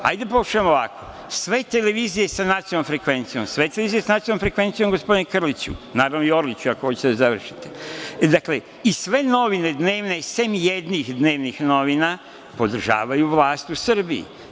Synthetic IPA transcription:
a̰jd̪epoʃamoʋako | sʋe̞t̪e̞le̞ʋiːzije̞sanat̪siomfɾe̞kʋe̞nt̪sijo̞̰msʋe̞t̪eleizije̞sanat̪sijnomfɾekʋe̞nt̪sijo̞mɡo̞spo̞d̪inekr̩lit͡ɕṵnaːɾaʋnoio̞ɾlit͡ɕuakoho̞t͡ɕe̥t̪eazaʋr̩ʃi̥t̪ed̪akle̞ | isʋe̞no̞ʋine̞d̪ne̞ːʋnesemjed̪nixd̪ne̞ːʋnixno̞ʋina | po̞d̪r̩ʒa̰ːʋajuʋlˠaːst̪usɨrbiḭ

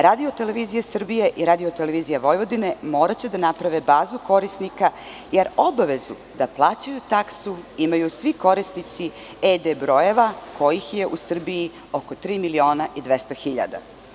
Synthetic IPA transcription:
ɾaːd̪io̞t̪e̞le̞ʋizijasr̩bijeʔiɾaːd̪io̞t̪eleʋiːzijaʋo̞jʋo̞d̪ine̞mo̞ːɾat͡ɕe̞d̪anapɾaʋebaːzuko̞ɾisnika | jeɾo̞baʋe̞zu | d̪aplˠaːt͡ɕajut̪aksuimajusʋiko̞ɾisnit̪si | ed̪ebɾo̞je̞ʋako̞jixje̞ʔusr̩biji | o̞ko̞t̪ɾiːmilio̞ːnaʔid̪ʋest̪oxiʎa̰d̪a̰

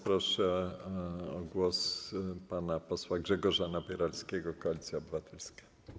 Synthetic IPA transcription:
pɾɔʂɛ | ɔɡwɔspanapɔswaɡʐɛɡɔʐanapʲjɛɾalskʲɛɡɔkɔalʲit̪sʲjaɔbɘvat̪ɛlskḁ

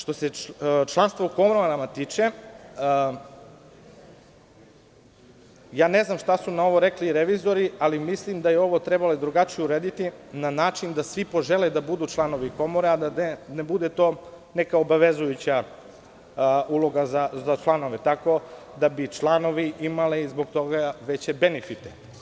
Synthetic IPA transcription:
ʃt̪o̞set͡ʃlˠanst̪vʋouko̞moɾoaɾamat̪iːt͡ʃe | jaːneznamʃt̪asunao̞ʋo̞ɾekliːɾeʋizo̞ɾialimislimd̪ajeo̞ʋo̞t̪ɾebaled̪ɾuɡat͡ʃijeuɾeːd̪it̪inanaːt͡ʃind̪asʋipo̞ʒeled̪abud̪uːt͡ʃlˠano̞ʋiko̞moɾead̪aenebud̪et̪o̞ː | nekaobaʋe̞zujut͡ɕa | ulo̞ɡazazat͡ʃlˠano̞ʋet̪ako̞ | d̪abit͡ʃlˠanoʋiʔimaliizboɡt̪o̞ɡaʋe̞t͡ɕebenefit̪e

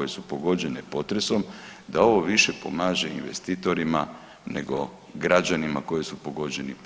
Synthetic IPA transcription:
oje̞supo̞ɡo̞d͡ʑe̞ne̞po̞t̪ɾe̞so̞md̪ao̞ʋo̞ʋiʃe̞po̞maːʒeḭnʋe̞̰st̪it̪o̞ɾima̰ | ne̞̰ɡo̞ | ɡɾad͡ʑanima̰ko̞je̞supo̞ɡo̞d͡ʑe̞nip

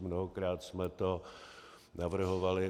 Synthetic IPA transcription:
mnoɦokɾaːt̪smɛt̪o | navr̩ɦovalɪ

